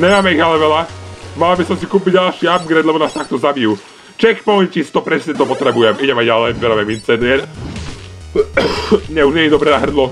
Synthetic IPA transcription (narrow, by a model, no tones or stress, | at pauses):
ɲɛmaːmɛiɣalɛʋɛlamalabisɔmsikuːpiɟɟalʃiːab̚ɡɾɛd̪lɛbɔnaːst̪ak̚t̪ɔzabiju | t͡ʃɛkpɔɲcist̪ɔpɾɛsɲɛt̪ɔpɔt̪ɾɛbujɛmiɟɛmaɟalɛjvɛɾaːmɛmint͡sɛd̪ɪɛɾ | ɲɛuʒɲɪɛɲid̪ɔbɾɛnaɦr̩d̪lɔ